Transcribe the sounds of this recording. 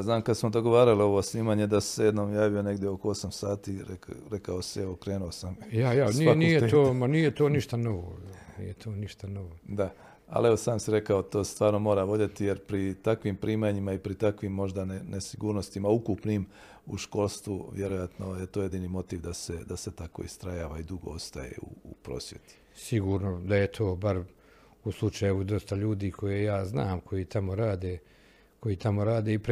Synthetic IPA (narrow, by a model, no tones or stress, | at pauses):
znaːmkad̪smod̪o̞ɡo̞ʋaːɾalio̞ʋosniːmaɲe̞d̪assejed̪noːmjaːʋio̞ne̞ɡd̪jeo̞koo̞samsaːt̪iːɾeɾe̞kaosieʋo̞kɾe̞ːnuosamjajansiaknoijeeoːmanijet̪oːniʃt̪anoʋo̰nḭjet̪ʰoːniʃt̪anoʋod̪a | a̰leʋo̞saːmsiɾe̞kaot̪o̞ːst̪ʋaːɾno̞mo̞ːɾaʋo̞d̪jet̪ije̞ɾpɾit̪akʋiːmpɾiːmaɲimaipɾit̪akʋiːmːo̞ʒd̪anenesiɡuːɾno̞st̪imaukupniːm | ṵʃko̞lˠst̪ʋuʋjeɾojat̪no̞je̞t̪oːje̞d̪iːniːmo̞t̪iːʋd̪ase̞d̪aset̪ako̞̰ḭst̪ɾajaːʋaid̪uɡo̞̰ost̪aje̞̰ṵːpɾo̞̰ːsʋje̞̰t̪i̥ | siɡuːɾnod̪ajet̪ʰo̞ːbaɾ | uslˠut͡ʃajeʋud̪o̞st̪aʎuːd̪iːkʰo̞jejaːznaːmkʰojiːt̪ʰamoɾaːd̪eː | kʰo̞jiːt̪ʰamo̞ɾaːd̪eːip